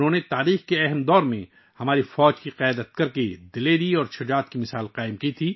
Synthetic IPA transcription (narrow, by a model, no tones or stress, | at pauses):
nɦõːnet̪aːɾiːxkeɛɦɛmd̪ɔːɾmẽ | hɐmaːɾifɔːd͡ʒkiqjaːd̪ət̪̚kɐɾked̪ɪleːɾiɔːɾʃʰʊd͡ʒaːt̪kimɪsaːlqaːɪmkit̪ʰiː